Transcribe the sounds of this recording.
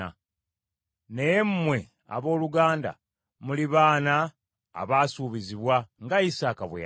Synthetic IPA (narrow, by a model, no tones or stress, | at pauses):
a̰ | nejemːwe̞ | a̰βo̞ːluɡaːnda̰ | muliβaːna̰ː | βaːsuːβiziβwaŋɡaisaːkaβwḛ